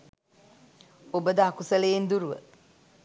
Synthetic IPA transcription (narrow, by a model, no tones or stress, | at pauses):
obəd̪əakusəlejend̪uɾuʋə̰